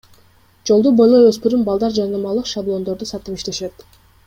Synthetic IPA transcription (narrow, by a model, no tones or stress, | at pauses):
d͡ʒo̞lˠd̪ubo̞jlˠojøspyɾymbɑlˠd̪ɑɾd͡ʒɑnnɯmɑlˠɯqʃablˠo̞nd̪o̞ɾd̪usɑt̪ɯpiʃt̪e̞ʃe̞t̪